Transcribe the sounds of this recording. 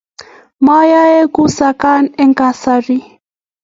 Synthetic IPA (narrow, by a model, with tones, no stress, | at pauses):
ma˦ja˦e˦ku˦sa˨ka˦nɛ˦ŋka˨sa˨ɾi˦